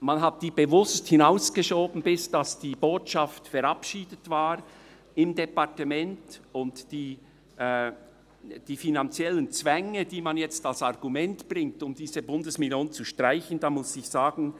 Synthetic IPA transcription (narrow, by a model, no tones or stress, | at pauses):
manɦat̚d̥iːb̥əvʊsthɪnaʊsɡ̥əʃoːbn̩bɪsd̥asd̥iːboːtʃaftfɛɾɑpʃiːdətv̥aːɾ | ɪmdɛpaʁtəmɛntʊntd̥iː | d̥iːfinant͡sjɛlənt͡sv̥ɛŋəd̥iːmanjɛt͡stalsɑʁɡumɛntb̥rɪŋtʊmd̥iːzəbʊndəsmiljoːnt͡suʃtʁaɪçən̩d̥ɑːmʊsɪçz̥aːɡn̩